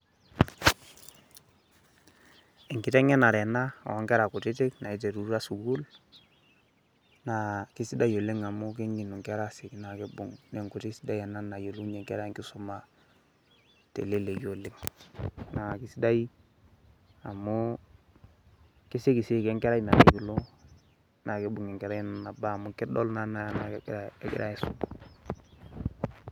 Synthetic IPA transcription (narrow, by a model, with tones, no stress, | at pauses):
ɛ˨ŋkɪ˨tɛ˦ŋɛ˦na˨ɾɛ˨na˦a̰˨ɔ˨˦ŋkɛ˦ɾa˨ku˨tɪ˦tɪ˦kna˨i˦t̬e˨ɾu˦ɾa˦su˨ɡu˦l | na˨kɪ˦si˦da˦jo˨lɪ˦ŋa˨mʊ˦k̬ɪ˦ŋɡi˨nu˨ŋkɛ˦ɾa˦sɪ˨kɪ˦na˨kɪ˦bʊ̰˨ŋnɛ˨ŋku˨tɪ˦si˦da˦i˨a˨na˦na˨jo˨lu˦ɲɛ˨ŋkɛ̰˦ɾa˦˨ŋkɪ˦sʊ˦ma˨ | tḛ˨le˦le˨ɡo˨le˦ŋ | na˨ki˨si˦da˦i˦ | a˨mu˦ | ki˦si˦ki˨si˦kɛ˦ŋkɛ˦ɾa˦˨na˨le˨ju˨lo˦ | na˨ke˦bu˨ŋɛ˨ŋkɛ˨ɾa˦jn˨na˨ba˦˨mu˦kɪ˦dɔ˦lna˦na˦a˦na˨˦˨ɡɪ̰˦ɾa˦e˦sṵ˦